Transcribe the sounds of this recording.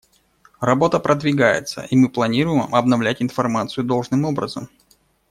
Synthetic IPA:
rɐbo̞t̪əpɾʔəd̪vʲɪɡajɪ̰t̪sə̰ʔimɨplˠɐnʲiɾʊjɪmmɐbnɐvlʲætʲɪnfɐrmat̪sɨjʊd̪o̞lˠʐnɨmo̞bɾəzəm

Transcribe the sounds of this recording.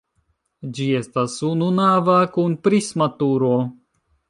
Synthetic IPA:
d͡ʒie̞stasununavakunpɾismatuɾo̞

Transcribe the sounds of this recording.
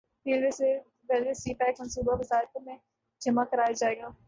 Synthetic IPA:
piːlʋes | ʋɛlʋesiːpɛːkmɐnsuːbaʋɐzaːɾk̪omẽ | d͡ʒɐmakɐɾaːjad͡ʒaːeːɡaː

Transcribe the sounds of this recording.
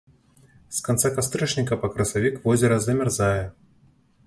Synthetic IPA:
skant̪sakast̪ɾɛʂnʲikɐpɐkɾɐsavʲikvɔzʲɛɾɐzɐmʲɛrzajɛ

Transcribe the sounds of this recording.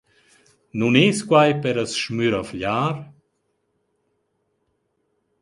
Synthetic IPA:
nuneskwajpɛɾəsʃmyɾafʎaːɾ

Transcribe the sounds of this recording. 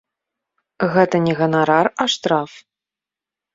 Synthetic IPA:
ɣɛt̪ɐnʲɛɣɐnaɾaraʂt̪ɾaf

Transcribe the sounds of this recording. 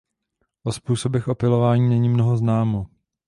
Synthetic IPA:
ʔospuːso̞bɛxʔo̞pɪlo̞vaːɲiːnɛɲimnoɦoznaːmo

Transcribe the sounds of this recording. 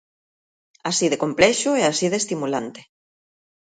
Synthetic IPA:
asiðekomplɛʃuɛasiðest̪imulant̪e̥

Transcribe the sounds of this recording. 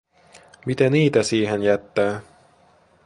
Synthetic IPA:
mit̪ɛniːt̪æsiːɦɛnjæt̪ːæː

